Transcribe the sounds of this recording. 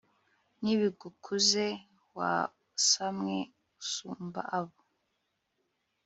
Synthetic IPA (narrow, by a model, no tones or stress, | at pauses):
niβiɡukʰuze | wa̰ | samŋe | usuːmba̰ʔaβo